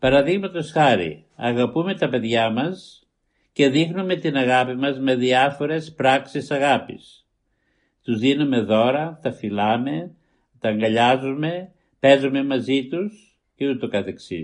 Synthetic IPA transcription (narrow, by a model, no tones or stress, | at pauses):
pɐɾɐðiɣmɐt̪o̞sxɐɾḭ | ɐɣɐpume̞t̪ɐpe̞ðʝɐmɐs | ce̞ðixnume̞t̪inɐɣɐpimɐzme̞ðiɐfo̞ɾe̞spɾɐksisɐɣɐpḭs | t̪uzðinume̞ðo̞ɾɐt̪ɐfilɐme̞ | t̪ɐːŋɡɐʎɐzume̞ | pe̞zume̞mɐzit̪us | cet̪ut̪okɐθe̞ksḭ